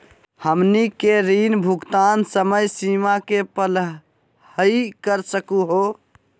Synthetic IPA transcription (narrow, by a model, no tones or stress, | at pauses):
həmnikeɾinbʱuɡt̪ansəməjsimakepəl | həikəɾsəkuɦo